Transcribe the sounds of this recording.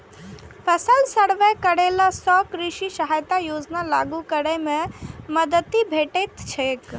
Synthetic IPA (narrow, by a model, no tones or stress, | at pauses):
pʰəsəlsəɽʋekəɽelasɔkɾiʃisəɦajt̪ajod͡ʒnalaɡukəɾɛmẽməd̪ət̪ːibʱeʈet̪t͡ʃʰek